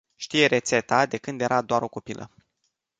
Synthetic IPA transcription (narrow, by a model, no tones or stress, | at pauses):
ʃt̪ije̞ɾe̞t̪se̞t̪ad̪e̞kɨnd̪je̞ɾʔad̪oaɾo̞kopilʔə̰